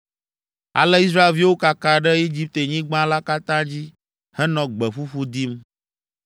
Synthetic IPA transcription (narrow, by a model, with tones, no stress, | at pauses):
a̰˨lɛ˦i˦s̬ɾa˦e˨lvi˦wo˦ka˨ka˨ɖɛ˦i˦d͡ʑi˦p̚t̪e˨ɲĩ˦ɡ͡bã˦la˦ka˦t̪ã˦d͡ʑi˦ | hɛ˦nɔ̃˨ɡ͡bɛ˨ɸu˦ɸu˦d̪i˦m